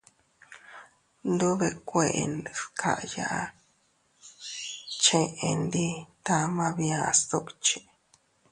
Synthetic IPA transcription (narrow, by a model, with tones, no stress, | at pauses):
nd̪u˦βe˧˨kʷe˧˨ʔḛ˧n˨skʰa˨ʔja̰˧ʔa˦ | t͡ʃẽ˧ʔe˨˧nd̪i˦t̪a˦mã˦βi˧ã˦˧st̪u˦kt͡ʃi˨